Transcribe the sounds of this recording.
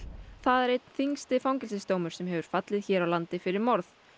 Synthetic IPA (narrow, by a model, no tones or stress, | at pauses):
θaðɛɾejt̪̚n̥θiŋst̪ɪfawŋcɪlsɪst̪oːwmʏɾ̥sɛmɦɛvʏɾ̥fat̪lɪðçɛːɾawlant̪ɪfɪɾɪɾmɔɾθ